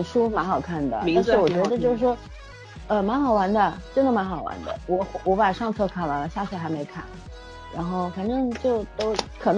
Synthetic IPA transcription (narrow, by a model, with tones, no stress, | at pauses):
ʂu˥ma˧˥nxɑ˨˩ʊkʰa˥˩nd̪ə̰˩t̪a˥˧nɻ̩˥˩wɔ˨˩t͡ɕɥɛ˧˥˧d̪ə˧t͡ɕjo˥˧ʊʂwɔ˥ | ə˧ma˧˥nxɑ˨˩ʊwa˧˥nd̪ə˧ʈ͡ʂə˥nd̪ə˨ma˧˥nxɑ˨˩ʊwa̰˧˥nd̪ə̰˧wɔ˧˥xwɔ˧˥pa˨˩ʂɑ˥˧ŋt͡sʰɤ˥˧kʰa˥˩nwa˧˥lə˧ɕja˥˧˩t͡ɕʰɥɛ˥˩xa˧˥ɪme˧˥ɪkʰa˥˩n | ɻa̰˧˥nxo˥˩ʊfa˨˩nʈ͡ʂɤ˥˧ŋt͡ɕjo˥˩ʊt̪o˥ʊkʰɤ˨˩n